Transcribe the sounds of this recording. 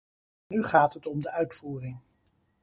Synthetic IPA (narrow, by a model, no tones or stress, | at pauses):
nyχaːtɦətɔmdəʔœɥtfuːrɪŋ